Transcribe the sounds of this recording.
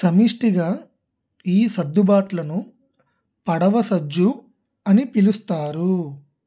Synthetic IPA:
sɐmiːʂʈiɡaː | iːsɐd̪ːubaːʈlɐnu | pɐɽɐʋɐsɐd͡ʒːu | ɐnipilust̪aːɾu

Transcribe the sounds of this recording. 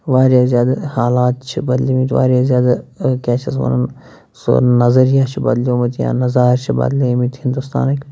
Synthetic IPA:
ʋaːɾjazjaːd̪ahaːlaːt̪t͡ʃʰibɐd̪limit̪ʰʲʋa̰ːɾjazjaːd̪akɛːt͡ʃʰɐs̬mɐ̰nɐn | so̰nɐzɐɾijaːt͡ʃʰibɐd̪liomɐt̪ʰjã̰ːnɐzaːɾt͡ʃʰibɐ̰ːd̪limit̪hind̪ust̪a̰ːnɐkʲ

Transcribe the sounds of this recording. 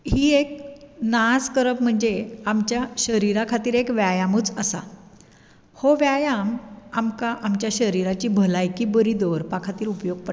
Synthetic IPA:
ɦiːeknaskəɾəpm̤əɳd͡zeamt͡ɕjaɕəɾiɾakʰat̪iːɾekʋjajamuːt͡səsa̰ | hoʋjajamamkaʔamt͡ɕjaɕəɾiɾat͡ɕiːbʱəlajkiːbəɾiːd̪oɾpakʰat̪iːɾupjoɡ̚pəɾ

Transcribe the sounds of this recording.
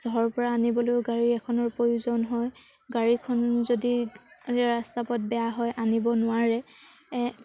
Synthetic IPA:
z̥ɔɔɹpɔɹaːnibɔlojʊɡaɹiɛkʰɔnɔɹpɹojuzɔnɦɔj | ɡaɹikʰɔnzodiɛɹastapɔt̚bɛjaɦɔjʔanibɔnʊwaɹɛ

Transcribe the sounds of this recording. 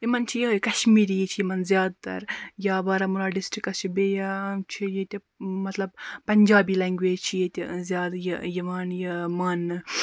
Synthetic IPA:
jimɐnt͡ʃʰijɐkɐʃmiːɾijet͡ʃʰijimɐnzʲjaːd̪̚t̪ɐ̰ɾjaːbɐːɾɐmuɾaːɖisʈɾikɐst͡ʃʰibeːjat͡ʃʰijet̪ʲi | mɐt̪lɐb̚pɐnd͡ʒaːbiːlɐŋɡʋeːd͡ʒt͡ʃʰijet̪ʲɐzjaːd̪jɐjɐʋaːnjɐmaːn

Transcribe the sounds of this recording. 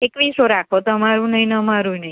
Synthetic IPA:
ekʋisoɾakʰot̪oəmaɾũnəɦĩnəəmaɾũinəɦĩ

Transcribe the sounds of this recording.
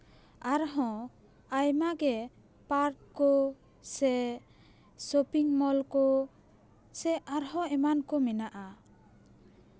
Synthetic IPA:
aɾɦɔ̃ | ajmaɡɛ | paɾʈkɔ | sɛ | sopiŋmɔlkɔ | sɛʔaɾɦɔ̃ɛmankɔmɛnaʔa

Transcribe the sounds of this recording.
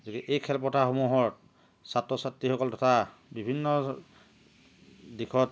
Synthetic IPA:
dikɛʔejkʰɛlp̬ɔtʰaxomuɦɔɹt̚ | satːɔsatɹixɔkɔltɔtʰabibʱinːɔ | dikʰɔt

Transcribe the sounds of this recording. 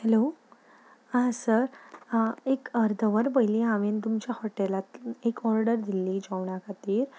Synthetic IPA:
hɛlo | ãsəɾ | ekəɾd̪ʱəʋəɾbəjliaʋent̪umt͡ɕjahɔʈelat̪ekɔɾɖəɾd̪ilːiːd͡ʑəʋɳ̃akʰat̪iːɾ

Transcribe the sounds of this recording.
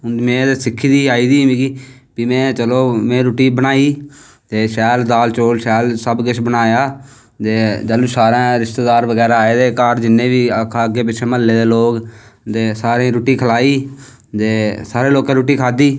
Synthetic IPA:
ʊd̪mẽːd̪eːsɪkʰːiːd̪iːaːiːd̪iːmĩːɡiː | biːmɛ̃ːt͡ʃəloːmɛ̃ːɾoːʈiːbənaːiː | t̪eːʃɛːld̪aːlt͡ʃoːlʃɛːlsəbɡɪt͡ʃʰbənaːjaː | t̪eːd͡ʒəlusaːɾãːɾɪʃt̪eːd̪aːɾʋəɡɛːɾaːaːeːd̪eːkaːɾd͡ʒɪnːẽːbiːkʰːəɡeːpɪt͡ʃʰẽːməlːeːd̪eːloːkt̪eːsaːɾẽːɾuːʈiːkʰəlaːiː | t̪eːsaːɾeːloːkẽːɾoːʈiːkʰaːd̪iː

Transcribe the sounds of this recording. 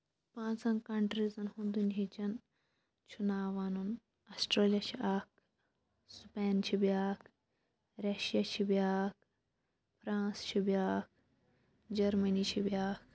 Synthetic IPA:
pãːnt͡sɐ̃ŋkɐɳʈɾizɐnhũnd̪unɦit͡ʃɐn | t͡ʃʰunaːʋɐnun | ɐsʈɾeːlijɐt͡ʃʰiaːk̚ | speːnt͡ʃʰibʲjaːk | ɾɐʃijat͡ʃʰibjaːk̚ | pʰɾãːnst͡ʃʰibjaːk̚ | d͡ʒɐɾmɐnit͡ʃʰibʲaːk̚

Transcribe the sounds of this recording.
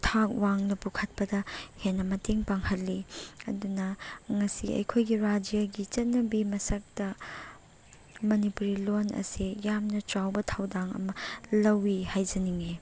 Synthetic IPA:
tʰak̚waŋnɐpukʰɐt̚pɐdɐhenːɐmɐteŋpaŋhɐlːiɐ̰dunɐŋɐsiɐ̰jkʰojɡiɾad͡ʒijaɡit͡ʃɐt̚nɐbimɐsɐk̚d̥ɐ | mɐnipuɾilonɐ̰sijamnɐt͡ʃɾawbɐtʰawdaŋɐ̰mɐlɐwihajd͡ʒɐniŋe

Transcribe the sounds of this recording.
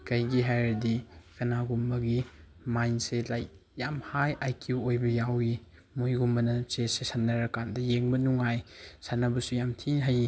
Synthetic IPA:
kɐjɡiɦajɾɐdikɐnaɡumbɐɡi | majnselaj | jamhajʔajkuojbɐjawi | mojɡumbɐnɐt͡ʃesesanːɐɾɐkandɐjeŋbɐnuŋajsanːɐbɐsujamtʰinɦaji

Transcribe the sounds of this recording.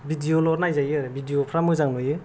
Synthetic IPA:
bidiolɔɾnajzajɯɾebidijopʰɾamɯzaŋlɯjɯ

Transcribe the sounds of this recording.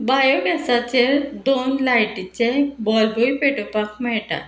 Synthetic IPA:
bajɔɡɛsat͡ɕeɾd̪onlajʈit͡ɕebɔlboipeʈopakmɛɭʈa̰

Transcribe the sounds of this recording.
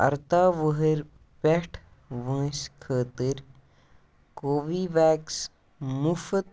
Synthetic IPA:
ɐ̰ɾt̪aːʋəɦəɾ | peʈʰ | ʋə̃ːskʰəːt̪əɾ | koːʋiːʋaːks | mufət̪̚

